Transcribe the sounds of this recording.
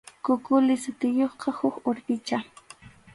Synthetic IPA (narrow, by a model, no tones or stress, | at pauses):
kʊkʊlɪsʊt̪ɪjoχqɑhʊxoɾpɪt͡ʃa